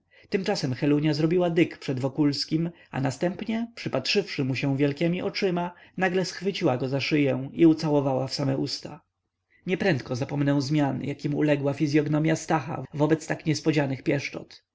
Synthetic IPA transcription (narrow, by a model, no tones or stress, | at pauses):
t̪ɘmt͡ʂasɛmxɛluɲazɾɔbʲiwad̪ɘkpʂɛd̪vɔkulskʲim | a̰nast̪ɛmpɲɛpʂɘpatʂɘfʂɘmuɕɛ̃w̃vʲjɛlkʲɛmʲiʔɔt͡ʂɘmanaɡlɛsxfɘt͡ɕiwaɡɔzaʂɘjɛw̃iut̪sawɔvawafsamɛʔust̪a | ɲɛpɾɛnt̪̚kɔzapɔmnɛw̃zmʲjanjakʲimṵlɛɡwafʲizʲjɔɡnɔmʲjast̪axa̰vɔbɛt̪st̪akɲɛspɔd͡ʑanɘxpʲjɛʂt͡ʂɔ̰t̪